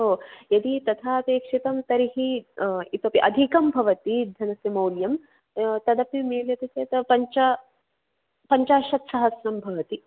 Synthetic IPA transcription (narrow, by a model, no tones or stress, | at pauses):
ɦoːjɐd̪it̪ɐt̪ʰaːpeːkʂit̪ɐmt̪ɐɾiɦiit̪ɐpiʔɐd̪ʱikɐmbʱɐʋɐt̪id̪ʱɐnɐsjɐmɐwljɐm | t̪ɐd̪ɐpimeːljɐt̪ɐseːt̪ɐpɐɲt͡ʃa | pɐɲt͡ʃaːʃɐt̪sɐɦɐsɾɐmbʱɐʋɐt̪i